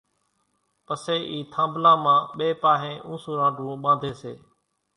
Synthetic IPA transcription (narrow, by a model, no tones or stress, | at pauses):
pəseːʔiːt̪ʰãːmblãːmãːɓeːpaːɦẽːʔũːsũːɾãːɖʱũːɓãːnd̪ʱeːsḛː